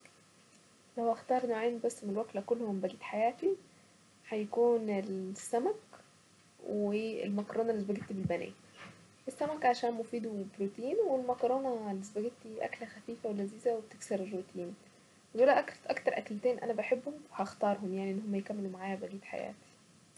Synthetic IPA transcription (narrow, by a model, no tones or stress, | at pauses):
læhʔɑxt̪ɑːɾˤnoʕiːnbæsːmnelwæk̪lækolːhombæɡiːt̪ħajæːt̪i | ħæjækuːnelsːæmæk | weːḛlmɑkɾˤoːnɑʔlːes̬bæɡet̪ibelbænæ̰ː | ʔesːæmækʕaʃæːnmofiːd̪ubɾot̪iːnwelmɑkɾˤoːnælːesbæɡet̪ːiʔæ̰klæxæfiːfæwelæziːzæweb̚t̪eksɑɾerːut̪ʰiːn | euːlæʔækʔɑkt̪ɑɾˤʔæklt̪æːnʔæ̰næbeħebːhomwehɑʔxt̪ɑːɾˤɦomjaʕniʔenːɦomːæjekæmːelumaʕaːjæbæɡiːt̪ħa̰jæ̰ːt̪i̥